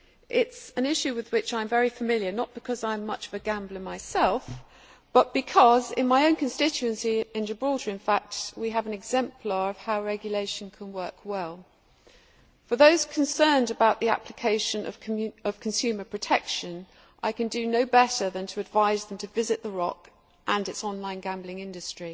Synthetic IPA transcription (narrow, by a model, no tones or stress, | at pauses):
ʔɪtsɨ̃nɪʃʉwɨðwɪt͡ʃãɪ̃ɱvɛɹifəmɪlˠjənət̚b̥ɨkʰʌzãɪ̃mːʌt͡ʃʌvɨɡæ̃mblˠə̃maɪsɛlˠf | b̥ʌt̚b̥ɨkʰʌzɪ̃nmaɪə̃ʊ̃nkʰɨ̃nstɪt͡ʃʉɨ̃nsiɪ̃nd͡ʒəbɹɔɾiɨ̃nfæk̚t̚wiəvə̃nɨɡzɛ̃mpʰl̥əɹʌv̥haʊɹɛɡjəleɪʃɨ̃n̩kʰə̃nwɜˑ˞kwɛlˠ | fə˞ðoʊz̥kʰə̃nsɜ̃˞ndɨbaʊʔ̪̚ðiæ̰pʰlɨkʰeɪʃɨ̃nʔʌ̰vʌv̥kʰn̩sʉmə˞pʰɹ̥ɨtʰɛkʃɨ̃n | ʔaɪkɨ̃ndɨnoʊbɛɾə˞ðɨ̃ntʰəːdvaɪzðə̃mtʰɨvɪzɨʔ̪̚ðəɹɑk | ʔə̃nɨtsɒ̃nlãɪ̃nɡæ̃mblɪ̃ŋɪ̃ndɨstɹ̥i